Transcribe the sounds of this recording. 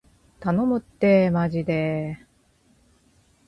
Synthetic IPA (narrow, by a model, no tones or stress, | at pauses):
t̪anomɯ̟t̪ːe̞mad͡ʑid̪e̞